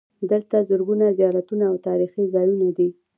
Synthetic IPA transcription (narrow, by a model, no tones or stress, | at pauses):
d̪əlt̪azʊɾɡunazijɑlat̪unaːwt̪ɑɾixizɑjunad̪i